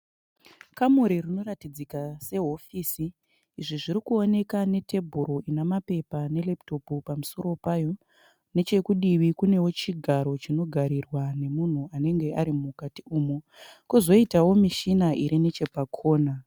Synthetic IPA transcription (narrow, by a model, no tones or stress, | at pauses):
kamuɾirino̞ratid͡zikase̞ɦo̞fiːsiː | ʐiʐiɾikuo̞ne̞kane̞te̞bʱuɾo̞inamape̞pane̞lepto̞pupamuso̞ɾo̞pajo̞ | ne̞t͡ʃe̞kuɗiʋikune̞wo̞t͡ʃiɡʱaɾo̞t͡ʃino̞ɡʱaɾirwane̞mun̤uane̞ŋɡe̞aɾimukatiuːmu | kuzo̞itawo̞miʃinaʔiɾine̞t͡ʃe̞pakʰo̞ːna